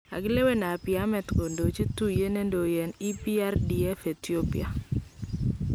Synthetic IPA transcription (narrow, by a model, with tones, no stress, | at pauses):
a̰˨ɡɪ˦le˦we˦na˨pɪa˦mɛ˨tko˨ndo˨t͡ʃe˦tu˦je˦ne˦ndo˨jɛ˨ni˦pi˦a˦rdi˨ɛ˦fe˨ti˦o˦pḭ˨a˨